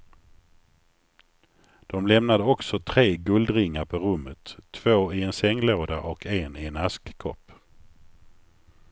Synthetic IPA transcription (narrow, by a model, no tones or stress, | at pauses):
d̪̥ɔmlɛmnad̪əɔksɔt̪ʰɾeːɡɵld̪ɾɪŋːaɾpʰɔɾɵmːət̪ʰːv̥oːɪɛnsɛŋːloːd̪aʔɔkʰeːnɪɛnaskkʰɔ̰pː